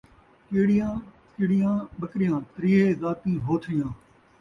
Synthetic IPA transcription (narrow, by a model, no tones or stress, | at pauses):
keːɽɪjãː | kɪːɽɪjãːɓəkɾɪjãːt̪ɾiːeːzaːt̪iːɦoːt̪ʰɪjãː